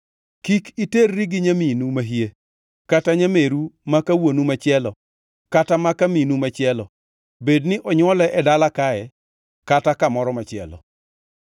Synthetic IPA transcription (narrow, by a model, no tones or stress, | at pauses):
kikiterːiɡɪɲaminumaɦje | kataɲameɾumakawonumat͡ʃɪɛlɔ | katamakaminumat͡ʃɪɛlɔ | bednɪʔɔɲwɔlɛʔɛdalakaɛ | katakamɔɾɔmat͡ʃɪɛ̰lɔ̰